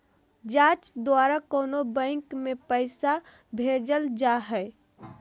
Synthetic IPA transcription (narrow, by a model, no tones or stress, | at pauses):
d͡ʒãt͡ʃd̪waɾakoːnobə̃ɪŋkmepəɪsa | bʱed͡ʒəld͡ʒaɦəɪ